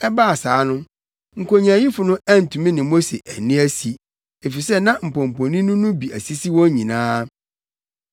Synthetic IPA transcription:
ɛ˦ba˦a˨saː˨˦nʊ̃˦ | ŋ̩˨kʰo˨ɲã˨ji˦fʊ˨nʊ̃˦æ˦n̩˨tʰũ˨mĩ˦nɪ̃˨mo˦se˨ʔæ˨nĩ˦æ˦si˨ | e˨fi˨sɛ˦nã˦m̩˨pɔ̃˨m˨pɔ̃˨nĩ˦nʊ̃˦nʊ̃˦bi˨æ˨si˦si˦wɔ̃˦ɲĩ˨nãː˦

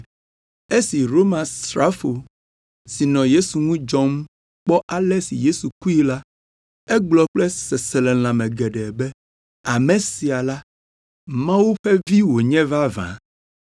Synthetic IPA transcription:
e˦si˨ɾo˦mã˨st̪ɾa˦fo˨ | si˨nɔ̃˨je˦su˨ŋũ˦d͡ʒɔ̃˦m | k͡pɔ˦ʔa˦lɛ˦sḭ˨je˦su˨ku˦i˦la˦ | ɛ˦ɡ͡blɔ˨k͡plɛ˦sɛ˨sɛ˨lɛ˨l̃ã˨mɛ̃˨ɡɛ˨ɖɛ˨bɛ˦ | a˨mɛ̃˨si˨a˨la˦ | mã˦wu˦ɸɛ˦vi˦wo˨ɲɛ̃˦va˦vã̰˨

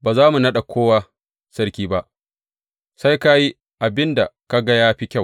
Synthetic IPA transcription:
baː˨zaː˦mu˨nɐ˦ɗa˨kʷʰoː˦waː˦ | sɐ˦ɽkʲiː˦ba˦ʔ | sa˦jka˦ji˦ | ʔa˨bɪ˦nda˨ka˦ɡa˦jaː˦ɸi˦kʲa˦˨w

